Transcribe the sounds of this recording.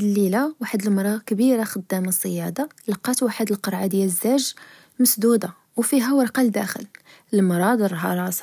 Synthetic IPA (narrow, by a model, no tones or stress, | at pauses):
d̪əlːilawaħəd̪əlmɾˤɑkəbiɾaxəd̪ːæmasˤːəjɑd̪ɑlɑqːɑt̪waħəd̪əlqəɾˤʕad̪jæləzːæʒ | məsd̪ud̪a | wfiɦæwəɾˤqɑld̪æ̰xə̰l | əmɾˤɑd̪əɾˤɦɑɾˤɑs